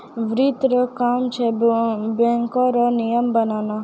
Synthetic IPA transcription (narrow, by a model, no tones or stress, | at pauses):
ʋɾit̪ɾɔkaːmt͡ʃʰebɛ̃ŋkɔɾɔnijəmbənaːna